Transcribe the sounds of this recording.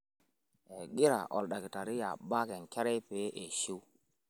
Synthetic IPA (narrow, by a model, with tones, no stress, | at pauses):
e˨ɡi˦ɾa̰˨ʔɔ̰˨lɗa˨ki˨ta˨ɾi˦ja̰˨ba˦kɛ˨ŋ˨ke˦ɾe˦pe˨˦ʔe˨ʃi˦